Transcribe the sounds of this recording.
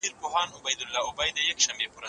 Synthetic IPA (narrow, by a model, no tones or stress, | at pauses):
iɾpoɦɑːnʊbɐjd̪ʊlːɑʊbajd̪əjakʃɐmbepoɾa